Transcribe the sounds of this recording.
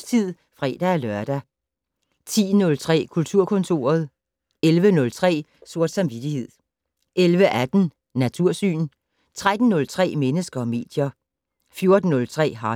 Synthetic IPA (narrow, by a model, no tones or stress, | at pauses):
t͡sʰið̰ˠ | fʁɛ̰ːd̥æælɶɐd̥æ | t͡sʰḭːnɔ̽lt͡sʰʁɛ̰ːkʰult͡sʰuɐ̰kʰɔ̽nt͡sʰo̝ːɐð̞̩ˠ | elʋənɔ̽lt͡sʰʁɛ̰ːso̝ɐ̰d̥sɑ̈mʋid̥ihe̝ð̰ˠ | ʔelʋəʔæd̥n̩ː | æt͡sʰuɐ̰sy̰ːn | t͡sʰʁad̥n̩ːɔ̽lt͡sʰʁɛ̰ːmenəsɡ̥ɐɒ̽me̝̰ːd̥jɐ | fjo̝ɐd̥n̩ːɔ̽lt͡sʰʁɛ̰ːɦɑ̈